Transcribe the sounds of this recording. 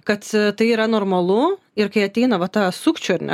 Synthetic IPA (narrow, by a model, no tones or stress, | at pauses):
kɐt̪t̪ɐɪiːɾɐnoːrmɐlˠʊ | ɪɾkɐɪɐt̪ʲɛɪnɐʋɐt̪ɑːsukt͡ʃʲʊɐɾnʲɛ̰